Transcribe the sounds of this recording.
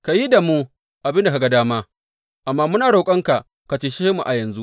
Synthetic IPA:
ka˨ji˦da˨mu˦ | ʔa˨bɪ˦nda˨ka˨ɡa˨daː˦maː˦ | ʔa˨mːaː˦mʊ˦naː˨ɽo˨kʼɐ˦ŋka˨ʔ | ka˨tiː˨ʃeː˦mu˨ʔa˨jɐ˨nzu˦

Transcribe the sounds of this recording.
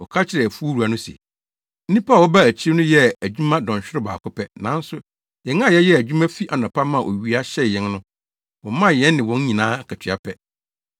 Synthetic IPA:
wɔ˨kʰa˦t͡ɕʰɪ˨ɾɛ˨æ˨fu˦o˦ɾu˨a˨nʊ̃˦sḛ˨ | n̩˦nĩ˦pʰa˦˨wɔ˦ba˦æ˨t͡ɕʰi˦e˦nʊ̃˦jɛ˦æ˨d͡ʑᶣu˦mã˦dɔ̃˨ɕᶣɪ˦ɾɪ˦ba̰ː˨kʰʊ˦pʰɛ˦nã˨˦n̩˦sʊ˦ | jɛ˨ŋã˦˨jɛ˦jɛ˦æ˨d͡ʑᶣu˦mã˦fi˦ʔa˨n˨ɔ̃˨pʰa˦mã˦˨ʔo̰˨ɥi˨˦a˦ɕɛ˦˨jɛ̃˦nnʊ̃˦ | wɔ̃˨mã˦˨jɛ̃˦nnɪ̃˨wɔ̃˨˦n˦ɲĩ˨nãː˦kʰa˨tʰɪ˨a˦pʰɛ˦

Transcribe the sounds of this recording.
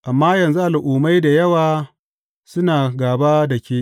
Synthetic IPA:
ʔa˨mːaː˦jɐ˨nzu˦ʔa˨lʔʊː˨ma˦jda˨jɐ˦waː˨ | sʊ˦naː˨ɡaː˨baː˦dɐ˨kʲeː˦ʔ

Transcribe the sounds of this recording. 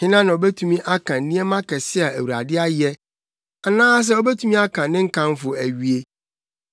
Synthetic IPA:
ɪ̃˦nã˦nã˨ɔ˨bɛ˦tʰũ˦mĩ˦ʔa˦kʰã˨n̩˨nĩ˦ɛ˦mã˦kʰɛ˨sɪ˦a˨æ˨wu˨a̰˨dɪ˦a˦jɛ˦ | a˨nãː˦s̬ɛ˦ɔ˦bɛ˦tʰũ˦mĩ˦a˦kʰã˨nɪ̃˦ŋ̩˦kʰã˦m˦fʊ˨æ˨ɥi˨e˦

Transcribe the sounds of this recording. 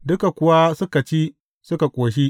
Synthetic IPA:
dʊ˦ka˨kʷʊ˦wa˦sʊ˦ka˨t͡ʃiː˦ | sʊ˦ka˨kʷʼoː˨ʃ̬i˦

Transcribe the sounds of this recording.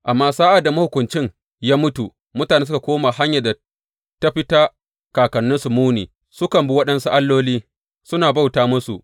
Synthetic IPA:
ʔa˨mːaː˦saː˦ʔa˨da˨ma˦hʊ˨kʷʊ˨nt͡ʃɪ˦ŋ | jaː˦mʊ˦tu˨ | mʊ˦taː˨neː˦s̬ʊ˦ka˨kʷoː˦ma˨ɦa˦ɲja˨da˨ | ta˦ɸɪ˦taː˦ | kaː˨kɐ˨nːʊ˦nsʊ˨muː˦nḭː˨ | sʊ˦kɐ˨mbu˦wɐ˦ɗɐ˦nsu˦ʔa˦lːoː˦liː˦ | sʊ˦naː˨ba˦wtaː˦mʊ˦sṵ˨ʔ

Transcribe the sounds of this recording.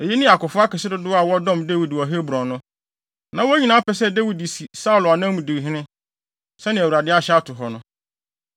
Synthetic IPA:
e˨je˦nɪ̃˦a˨kʊ˨fʊ˦a˦kɛ˨sɪ˦dʊ˦dʊ˦a˨wɔ˦dɔ̃˦˨mde˦wi˨dwɔ˨ɦe˦bɾɔ̃˨˦nʊ̃˦ | nã˨wɔ˦æ˦ɲĩ˨nãː˨˦a˦pɛ˨s̬ɛ˦˨de˦wi˨di˨si˨sa˦u˨lʊ˨a˨nã˦mũ˨dɪ˨ɦɪ̃˦nɪ̃˦ | sɛ˦nɪ̃˨æ˨wu˨ɾa˨dɪ˦a˦ɕɛ˦a˦tʰʊ˨ɦɔ˨nʊ̃˦

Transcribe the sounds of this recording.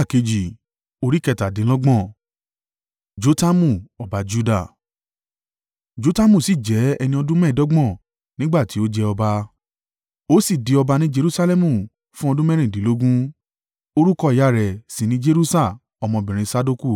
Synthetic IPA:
a˦˨ke˨˧d͡ʒi˨ | o˧ɾi˦kɛ˧ta˨dĩ˨˦lɔ˦ɡ͡bɔ̃˦˨ | d͡ʒo˦ta˦mũ˦˨ɔ˨ba˨d͡ʒu˦da˦˨ | d͡ʒo˨˦ta˦mũ˦˨si˦˨d͡ʒɛ˨˦ɛ˧nĩ˧ɔ˧dũ˦mɛ̃˦˨dɔ˦ɡ͡bɔ̃˦˨ | nĩ˦ɡ͡ba˦˨ti˨˦o˦d͡ʒɛ˧ɔ˧ba˧ | o˦si˦˨di˨˧ɔ˧ba˧nĩ˦d͡ʒe˧ɾu˦sa˦lɛ˦mũ˦˨ | fũ˦ɔ˧dũ˦mɛ̃˦ɾĩ˦˨dĩ˨˦lo˦ɡũ˦ | o˦ɾu˦kɔ˧i˦ja˦˨ɾɛ˨si˨nĩ˦d͡ʒe˦ɾu˦sa˦˨ | ɔ˧mɔ̃˧bĩ˨ɾ̃ĩ˧sa˧do˦˧ku˦˨

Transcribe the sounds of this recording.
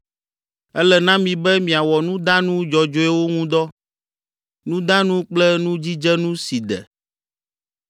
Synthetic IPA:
ɛ˦lɛ˨nã˦mĩ˨bɛ˦mĩ˨a˨wɔ˨nũ˦d̪ã˦nũ˦d͡ʒɔ˨d͡ʒo˦ɛ˦wo˦ŋũ˦d̪ɔ˦ | nũ˦d̪ã˦nũ˦k͡plɛ˦nũ˦d͡ʑi˦d͡ʒɛ˦nũ˦si˨d̪ɛ̰˨

